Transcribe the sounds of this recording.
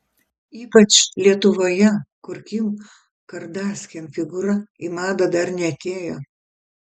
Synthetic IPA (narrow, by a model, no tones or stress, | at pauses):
iːpɐt͡ʃlʲiɛt̪ʊʋoːjɛkʊɾʲkʲim | kɐɾd̪ɑːsʲkʲɛmfʲɪɡʊɾɐimɑːd̪ɐd̪ɐɾnʲɛɐt̪ʲeːjoː